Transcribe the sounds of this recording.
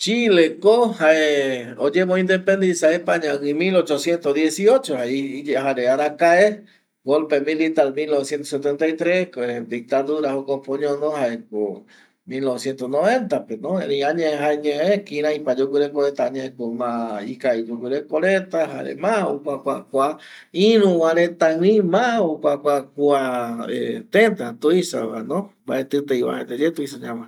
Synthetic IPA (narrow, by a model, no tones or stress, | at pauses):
t͡ʃilekohaeod͡ʒemõĩnd̪epend̪isaepaɲãɨmilot͡ʃosjent̪odjesiot͡ʃohaihaɾeaɾakae | ɡolpemĩlit̪almilnoβesjent̪os̬et̪ent̪ajt̪ɾesked̪ik̚t̪aðuɾahokopõɲõnõhaeko | milnoβesjent̪osnõβent̪apenõẽniãɲẽɦaeɲẽekĩɾ̃ãipad͡ʒukiɾekoɾet̪aaɲẽekomãikaid͡ʒukʷuɾekoɾet̪aɦaɾḛmao̰kakʷakʷa | ĩɾũwãɾet̪aĩmaokʷakʷakuaḛt̪ent̪at̪uisa̰a̰nõmba̰ʔet̪ɨt̪ejwa̰ẽt̪ed͡ʒet̪uisaɲãmã